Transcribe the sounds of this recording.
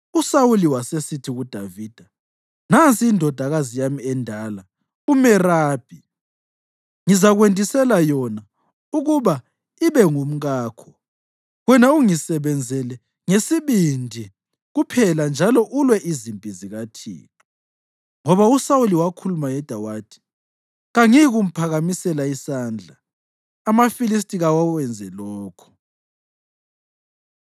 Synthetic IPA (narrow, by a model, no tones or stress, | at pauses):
usawuliwasesitʰiɣud̥ʱaviːd̥ʱa | nant͡sʼiːndʱɔd̥ʱaɣazijamiɛndʱala | umɛraːb̥ʱi | ŋizaɣwentʼisɛlajɔna | uɣuβa | iβɛŋum̩ɣaːkʰɔ | ɣwɛnauŋisɛβɛnd͡zʱɛlɛ | ŋesiβindʱi | ɣupʰɛland͡ʒʱalɔʔulwɛʔizimpʼiziɣatʰḭːtʰʼu | ŋɔβausauliwakʰulumajɛd̥ʱawaːtʰʼi̥ | ɣaŋiɣum̩pʰaɣamisɛlaisaːnd͡ɮʱaː | mafilis̬tʼiɣawawɛnd͡zʱɛlɔːkʰɔ̥